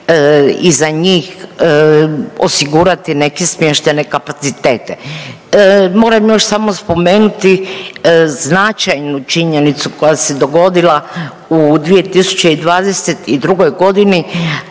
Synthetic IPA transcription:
izaɲiːx | o̞̰siɡuːɾat̪ine̞ke̞smjeʃt̪e̞ne̞kapat̪sit̪eːt̪e̞ | mo̞ːɾamjo̞ʃsamo̞spo̞me̞ːnut̪i | znat͡ʃajnut͡ʃiɲe̞nit̪suko̞jase̞d̪o̞ɡo̞d̪ila | ud̪ʋije̞t̪isu̥t͡ɕeid̪ʋaːd̪eset̪id̪ɾuɡo̞jɡo̞d̪ini

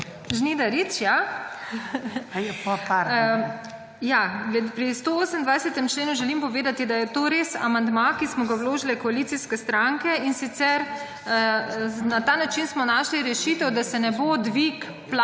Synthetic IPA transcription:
ʒnid̪aɾit͡ʃja | jɛpɔpaɾ | jaɡlɛpɾist̪ooːsənd̪ʋajsɛt̪ɛmt͡ʃleːnuʒɛlimpɔʋeːd̪at̪id̪ajɛt̪oːɾeːsa̰mand̪makismɔɡawloːʒilɛkɔaliːt̪siskɛst̪ɾaŋkɛinsit̪sɛɾ | nat̪aːnat͡ʃinsmɔnaːʃliɾɛʃiːt̪ɛwd̪asɛnɛbod̪ʋik | pla

